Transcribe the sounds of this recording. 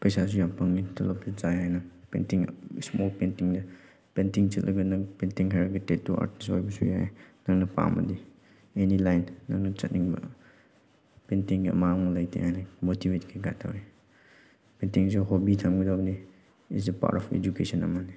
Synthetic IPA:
pɐjsas̬ujapɐŋnitʰɐlɐp̚tud͡ʒajɦajnɐpḛntiŋsmolpentiŋdɐ | pentiŋt͡ʃɐtlʔɐɡɐnɐpentiŋɦajɾɡitet̚tuʔa̰ɾtiso̰jbɐsujajnɐŋnɐpa̰mɐ̰di | enilajnːɐŋnɐt͡ʃɐt̚niŋbɐ̰ | pentiŋɡiɐ̰manɐlajtʰḭhajnɐmotibetkʰiɡa̰tʰawɾi | pentiŋsiɦobitʰamɡidabni | ḭsipa̰ɾtɔpʰḛd͡ʒukesɐnɐ̰mani

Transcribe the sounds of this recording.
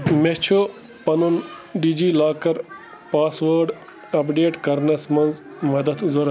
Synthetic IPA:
met͡ʃʰo | pɐnunɖiːd͡ʒiːlaːkɐɾ | paːsʋɐːɾɖ | ɐpɖeːʈkɐɾnɐsmɐnz | mɐd̪ɐt̪zoɾɐ

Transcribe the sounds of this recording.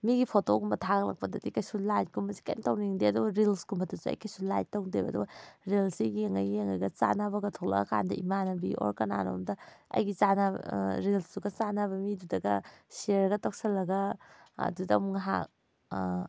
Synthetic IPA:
miɡipʰotoɡumbɐtʰaklɐ̰k̚pɐdɐdikajsulajt̚kumbɐsi̥kantawniŋdeɐduɡɐɾilskumbɐtusuɐ̰jkajsulajtawdebɐ̰duɡɐɾilsiɡeŋajjeŋajɡɐt͡ʃa̰nabɐɡɐtʰok̚lɐ̰ɡɐkʰa̰ndɐʔimanɐbiʔo̰ɾkɐna̰no̰mdɐɐ̰jɡit͡ʃana̰ɾilsduɡɐt͡ʃanaβɐmidudɐɡɐ̰sieɾɡɐtok̚sɐlːɐɡɐ | ɐ̰dudɐmŋaɦa̰k̚

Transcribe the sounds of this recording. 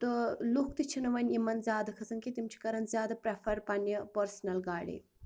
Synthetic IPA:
t̪ɨlukʰt̪it͡ʃʰinɐʋɐnʲimɐnzʲjaːd̪ɐkʰɐsɐnkit̪imt͡ʃʰi̥kɐɾɐnzʲjaːd̪ɐpɾefʰɐɾpɐnipəɾsnɐlɡaːɽḭ

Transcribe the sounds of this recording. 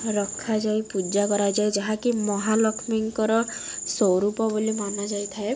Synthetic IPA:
ɾɔkʰad͡ʒajpud͡ʒakɔɾajd͡ʒajd͡ʒaɦakimɔɦalɔkʰmiŋkɔɾɔsɔɾupɔbolimanɔd͡ʒajt̪ʰae

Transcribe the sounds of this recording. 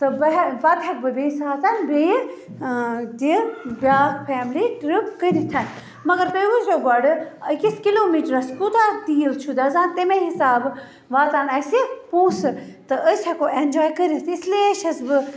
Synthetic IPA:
t̪ɨbɐbɐt̪ʰɐk̚bɨbesaːt̪anbej | d̪ibʲaːpʰɛːmliʈɾipkəɾit̪ʰɐn | mɐɡɐɾt̪əʋuzoːɡɔɖikiskiloːmiːʈɾɐskut̪at̪iːlt͡ʃʰud̪azãːnt̪emẽɦisaːb | ʋaːt̪anɐsepuːsɨt̪ɨʔəsɐkoend͡ʒɔːjkəɾʲit̪ʰisleʃɐsbɨ

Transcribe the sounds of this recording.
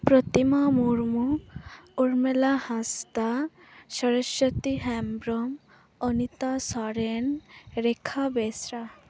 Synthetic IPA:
pɾot̪imamuɾmu | uɾmelahãst̪a | ʃɔɾeʃot̪iɦɛmbɾom | ɔnit̪asɔɾenɾekʰːabesɾa

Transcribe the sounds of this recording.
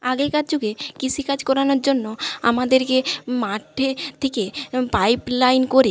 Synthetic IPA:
aɡeɾkad͡ʑoɡekit͡ɕʰikad͡ʑkɔɾanoɾd͡ʑonːoa̰mad̪eɾkemaʈʰːet̪ʰekepajplajnkoɾe

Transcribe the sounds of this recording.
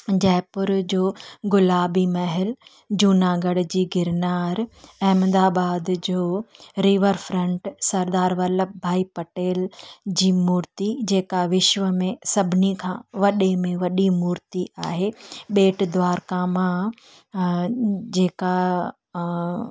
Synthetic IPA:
d͡ʑɛːɪpʊɾd͡ʑoːɡʊlaːbimɐɦɪl | d͡ʑuːnaːɡəɽd͡ʑiːɡʱɪɾnaːɾɛːmd̪aːbaːd̪d͡ʑoːɾiːʋəɾfɾə̃ɳʈsɐɾd̪aːɾʋɐləp̚bʱaːipɐʈeːld͡ʑiːmuːɾt̪id͡ʑeːkaʋɪʃʋəmẽsɐbʱɪnikʰãːʋɐɗemẽʋɐɗimuːɾt̪iʔaːɦeɓeːʈd̪ʋaːɾkamã | d͡ʑeːka

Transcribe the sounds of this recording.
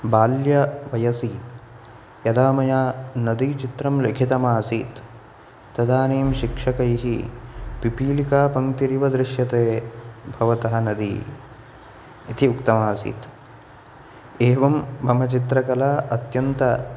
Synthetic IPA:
baːljɐʋɐjɐsi | jɐd̪aːmɐjaːnɐd̪it͡ʃit̪ɾɐmlekʰit̪ɐmaːsiːt̪ː | ɐd̪aːneːmʃikʂɐkɐjɦipipiːlikaːpɐŋt̪iɾiʋɐd̪ɾɪʃjɐt̪eːbʱɐʋɐt̪ɐɦɐ̆nɐd̪ḭ | it̪iukt̪ɐmaːsḭːt̪ | eːʋɐmbʱɐmɐt͡ʃit̪ɾɐkɐlaːʔɐt̪jɐnt̪ɐ

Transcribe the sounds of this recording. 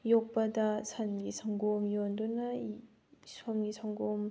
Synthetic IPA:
jok̚pɐdɐsʰanɡisʰaŋɡomjondunɐ | sʰomɡisʰaŋɡom

